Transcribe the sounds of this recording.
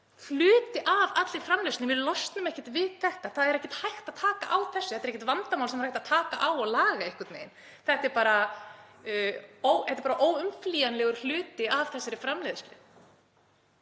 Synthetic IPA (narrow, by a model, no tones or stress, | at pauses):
flʏːt̪ɪʔavat̪lɪɾfɾamleðstlɪvɪðlɔst̪nʏmɛhcɪt̪vɪðθɛht̪aθaðɛɾɛhçcɪ̥t̪hajxt̪aðt̪ʰaːka̰ʔawθɛsːθɛt̪ɾɛcɪt̪vant̪amawlsɛmɾrajht̪aðt̪ʰaːka̰ʔawɔɣlaːɣaɪhkaɾt̪mḛjn | θɛht̪ɛɾpaːɾa | oːwɛht̪ɪɾpaːɾaʔoːwʏmfliːjanlɛɣʏɾ̥l̥ʏːt̪ɪavθɛsːaɾɪfɾamlɛðɪst̪lɪ